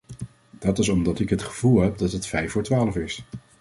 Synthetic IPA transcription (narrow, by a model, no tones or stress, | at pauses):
d̥ɑtɪsɔmdɑtɪkɦətχəv̥ulˠɦɛp̚dɑtɦətfɛjfʊːɹtʋaːləfɪs